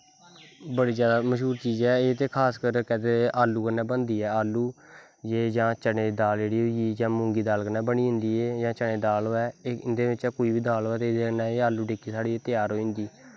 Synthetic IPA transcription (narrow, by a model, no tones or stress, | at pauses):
bəɽiːzjaːd̪aːməʃɦuːɾt͡ʃiːzɛːeːt̪eːkʰaːskəɾkɛt̪eaːlːuːkənːɛːbənd̪iːɛːaːlːuː | jeːd͡ʒãːt͡ʃəneːd̪aːld͡ʒeːɽiːɦoːiiːd͡ʒãːmʊ̃ːŋɡiːd̪aːlkənɛːbəɳiːɦʊ̃nd̪iːeːjãːt͡ʃəɳeːd̪aːloːɛːeɪnd̪eːʋɪt͡ʃɛːkoːiːbiːd̪aːloːɛːt̪eːd̪eːənɛːeːaːlːuːʈeːkiːsaːɽiːeːt̪ɪjaːɾɦoːɪ̃nd̪iː